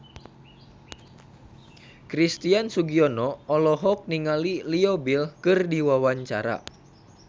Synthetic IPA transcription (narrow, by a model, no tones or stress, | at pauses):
kɾist̪iansuɡiɔnɔɔlɔɦɔk̚niŋaliliɔbilkɨrdiwawaɲt͡ʃa̰ɾa̰